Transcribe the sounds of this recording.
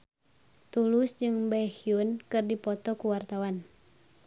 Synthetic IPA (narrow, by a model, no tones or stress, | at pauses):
t̪ulusd͡ʒɨŋbajhiunkɨrdipɔt̪ɔkuwart̪awan